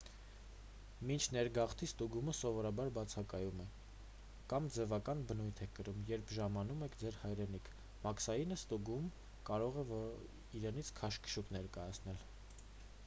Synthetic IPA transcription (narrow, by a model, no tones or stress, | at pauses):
mint͡ʃʰnɛɾɡɑχt̪ʰist̪uɡuməsɔvɔɾɑbɑɾbɑt͡sʰɑkɑjumɛ | kɑmd͡zɛvɑkɑnbənujt̪ʰɛkəɾumjɛɾpʰʒɑmɑnumɛkʰd͡zɛɾhɑjɾɛnikʰ | mɑkʰsɑjinəst̪uɡum | kɑɾɔʁɛvɔ | iɾɛnit͡sʰkʰɑʃkə̥ʃuknɛɾkɑjɑt͡sʰn̪ɛl